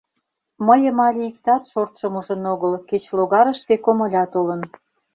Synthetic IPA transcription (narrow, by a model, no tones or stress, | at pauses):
məjə̆mɑlʲiik̚t̪ɑt̪ʃort̪ʃəmuʒə̆noɣəlket͡ɕloɣɑɾə̆ʃkekomŏlʲɑt̪olə̆n